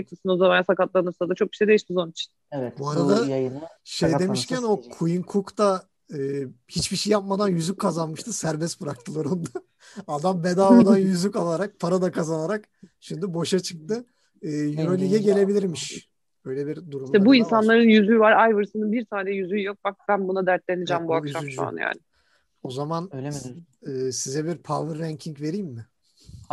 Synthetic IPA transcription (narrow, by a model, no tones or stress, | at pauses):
t̪ʰɯsɯnozamanasakat̪lˠaɾɯnɯɾsad̪at͡ʃʰo̞k̚biʃejd̪eiʃt̪izo̞nit͡ʃʰi̥n | ɛbuaɾad̪ajnʃejd̪e̞miʃcʰæno̞kʰujiŋkʰukt̪a | ɯːhit͡ʃbiʃejːap̚mad̪anjyzykʰːazanmɯʃt̪ʰɯsæɾbɛsbɯɾak̚t̪ʰɯlˠoɾund̪a | ad̪ambe̞d̪aːmad̪anjyzykalˠaɾak̚pʰaɾad̪akʰazanaɾak | ʃimd̪ibo̞ʃat͡ʃʰɯ̥k̚t̪ɯ | ɯːjyɾo̞lʲiɟɛɟe̞lʲe̞bilʲiɾmiʃ | ø̞jlʲɛbiɾd̪uɾumʃɛbuinsanlˠaɾɯnjyzyvaɾajvɯɾsɯnɯnbiɾt̪ʰaːnɛjyzyjo̞k̚bak̚bænbunad̪æɾt̪̚lʲe̞nid͡ʒɛmbuakʃaysa̰nja̰ːnɪ | o̞zaman | ɯːsizɛbiɾpʰavɯɾːæɲcʰiŋcve̞ɾijmːɪ